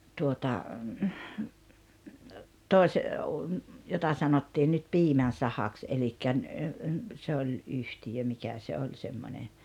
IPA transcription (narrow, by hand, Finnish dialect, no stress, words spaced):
tuotɑ toˑes jotɑ sɑnotːiːn nyt piːmæn̞ sɑhɑks elikːæ n se olʲ ʔyhtijø mikæ se olʲ semːonʲe